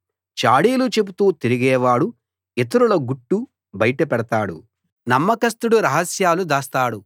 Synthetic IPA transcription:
t͡ʃaːɽiːlut͡ʃe̞put̪uːt̪iɾiɡɛːʋaːɽu | et̪̬ɐɾulɐɡuʈːu | bɐjʈɐpɛɽɐt̪aːɽṵ | nɐmːɐkɐst̪uɽuɾɐɦɐsjaːlud̪aːst̪aːɽu

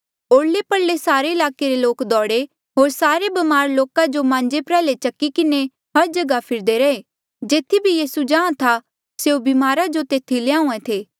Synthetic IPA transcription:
oːɽlepɐɽːesaːɾeɪlaːkeɾeloːkd̪ɔːɽe | ɦoːɾsaːɾebɐmaːɾloːkad͡ʒomãːɲd͡ʒepɾɛːlet͡ʃɐkːikɪne | ɦɐɾd͡ʒɐɡapʰɪɾd̪eɾɐeː | d͡ʒeːt̪ʰibʱijiːsud͡ʒãːãt̪ʰa | seubimaːɾad͡ʒot̪eːt̪ʰilɪãːũẽt̪ʰeː

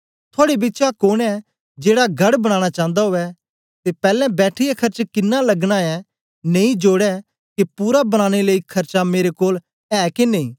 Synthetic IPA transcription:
t̪ʰaːɽebɪtːt͡ʃakoːnɛ | d͡ʒeːɽaɡɐɽbɐɽ̃ãːɽ̃at͡ʃãːnd̪aɦoːɛ | t̪epɛːlɛ̃bɛːʈʰɪjakʰɐɾt͡ʃkɪnːalɐɡɽ̃aɛ | nẽĩd͡ʒoːɽɛ | kepuːɾabɐɽ̃aːɽ̃eləːikʰɐɾt͡ʃameːɾekoːl | ɛːkenẽĩː

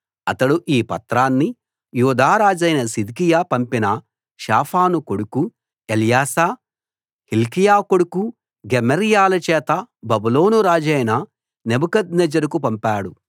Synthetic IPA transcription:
ɐt̪ɐɽuʔiːpɐt̪ɾaːnːi | juːd̪aːɾaːd͡ʒɐjnɐsid̪kijaːpɐmpinɐ | ʃaːpʰaːnukoɽuku | elijaːsaː | hilkijaːkoɽuku | ɡemɐɾijaːlɐt͡ʃɛːt̪ɐbɐbuloːnuɾaːd͡ʒɐjnɐ | nebukɐd̪̚nɛd͡ʒɐɾukupɐmpaːɽu

